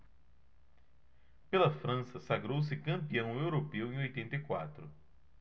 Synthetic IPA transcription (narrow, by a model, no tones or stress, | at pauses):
pelɐfɾɐ̃sɐsaɡɾows̬ɪkɐ̃mpiɐ̃w̃ewɾopewẽj̃ojt̪ẽnt̪ɐjkwa̰t̪ɾʊ